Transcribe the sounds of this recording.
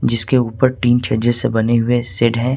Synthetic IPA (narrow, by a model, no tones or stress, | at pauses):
d͡ʒɪskeuːpəɾʈiːnt͡ʃʰɐɾd͡ʒesebɐneɦʊesɪɖɦɛ̃ː